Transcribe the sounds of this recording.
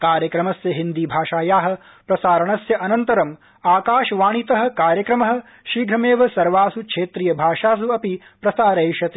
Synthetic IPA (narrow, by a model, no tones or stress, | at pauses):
kaːɾjɐkɾɐmɐsjɐɦind̪ibʱaːʃaːjaːɦɐ̆ | pɾɐsaːɾɐɳɐsjɐʔɐnɐnt̪ɐɾɐm | aːkaːʃɐʋaːɳit̪ɐɦɐ̆kaːɾjɐkɾɐmɐɦɐ̆ | ʃiːɡʱɾɐmeːʋɐsɐɾʋaːsukʂeːt̪ɾijɐbʱaːʂaːs̬uɐpi | pɾɐsaːɾeːʃɐt̪i